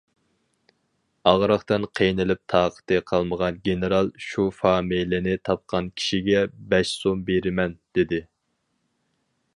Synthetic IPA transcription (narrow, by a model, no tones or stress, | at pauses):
ɑʁɾəχt̪ɨnqʰejnɨlɪp̚t̪ʰɑːqʰə̥t̪ɨqʰɑlˠməʁɑnɡʲenɨɾɑlˠʃufɑːmijlɪnɪt̪ʰɑp̚qʰɑnkʲʰi̥ʃiɡʲɛbɛʃsombeɾɪmɛnd̪̥ɪd̪ɪ